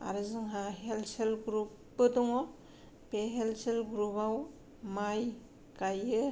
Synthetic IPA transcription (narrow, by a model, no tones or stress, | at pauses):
a̰ɾɯzɯŋɦaɦelselɡɾupːɯdɔŋɔ | peɦelselɡɾupaw | maj | kajɯ